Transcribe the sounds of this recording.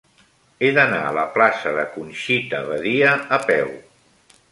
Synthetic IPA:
eðəna̰ələplasəðəkunʃit̪əβəðiəːpɛw

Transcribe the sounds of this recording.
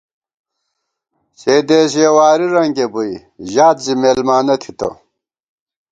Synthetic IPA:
seːd̪eːɕ̬jewaːɾiɾɐŋɡebui | ʑaːt̪zimeːlmaːnɐt̪ʰi̥t̪ɐ̰

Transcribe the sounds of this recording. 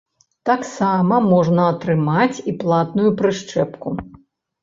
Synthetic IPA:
t̪aksamɐmɔʐnɐɐt̪ɾɨmat͡sʲiplˠat̪nujupɾɨʂt͡ʂɛpku

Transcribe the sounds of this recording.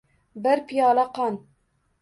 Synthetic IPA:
bɛɾpijɑːlɐqɑn

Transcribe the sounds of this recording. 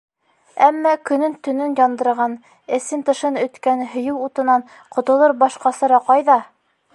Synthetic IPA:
æmːɑkɵ̆nɵnt̪ɵ̆nɵnjɑnd̪ɤ̆ɾʁɑn | ɘ̆sɘnt̪ɤ̆ʃɤnɵ̆t̪kænɦɵ̆jɘwut̪ɤ̆nɑɴ | qŏt̪ɤ̆lˠɤɾbɑʃqɑsɤɾɑqɑjðɑ

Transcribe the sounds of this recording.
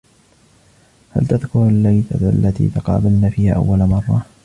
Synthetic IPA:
ha̰lt̪aðkʊɾalːaθa̰d̪ʊa̰lːat̪ḭːt̪aqɑ̰ːbɪlnaːfiːhaːʔa̰wːalamɑrˤːɑ

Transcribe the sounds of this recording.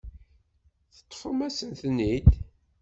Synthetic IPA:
θə̥t̪ˤːfəmæsənθnːid̪

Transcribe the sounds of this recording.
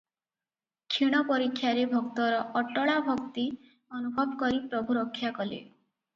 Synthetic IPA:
kʰiɽ̃ɔpɔɾikʰːjaɾebʱɔkt̪ɔɾɔʔɔʈɔɭabʱɔkt̪i | ɔnubʱɔbkɔɾipɾɔbʱuɾɔkʰːjakɔlḛ

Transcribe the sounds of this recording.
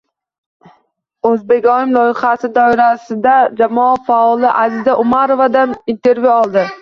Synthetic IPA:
ɵzbe̞ɡʲɒɪmlˠɒjɪχasɪd̪ɒɪɾasɪd̪ad͡ʒamɒafaɒlˠɪʔazɪzaʔʊmaɾovad̪anint̪ʰe̞ɾvjuɒlˠd̪ɪ

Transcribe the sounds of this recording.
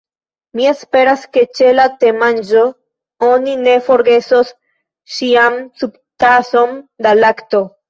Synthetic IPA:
miespe̞ɾaske̞t͡ʃelat̪e̞mand͡ʒo̞ | onine̞fo̞ɾɡe̞sos | ʃiamsub | t̪aso̞nd̪alakt̪o̞

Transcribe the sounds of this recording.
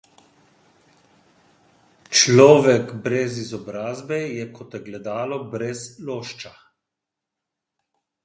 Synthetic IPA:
t͡ʃlɔːʋɛkbɾɛzizɔbɾaːzbɛjɛkɔt̪jɛɡlɛd̪aːlɔbɾɛzloːʃt͡ʃa

